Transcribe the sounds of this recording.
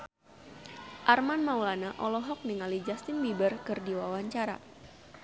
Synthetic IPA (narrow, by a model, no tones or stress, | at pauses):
ʔarmanmawlanaʔɔlɔɦɔk̚niŋalid͡ʒast̪ɪnbibərkɨrdiwawaɲt͡ʃaɾa̰